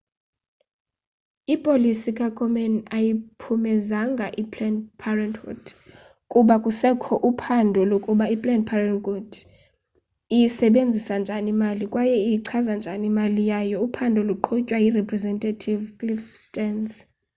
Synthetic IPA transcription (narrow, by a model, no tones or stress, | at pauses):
ipʼolisikʼakʼɔmɛnajipʰumɛzaŋɡʱaʔipʰʼlɛnpʰarɛntɡɔ̰d̥ | kʼuɓakʼusɛkʰɔʔupʰandʱɔlokʼuɓaipʼlɛndpʰarɛnɡud̥ | ijisɛɓend͡zʱisand͡ʒʱanimalikʼwajɛijiǀʰazand͡ʒʱanimalijajɔupʰandʱɔluǃʰɔcʼwajirɛpʰʼrɛzɛntʼatʰivkʼlifstʼɛns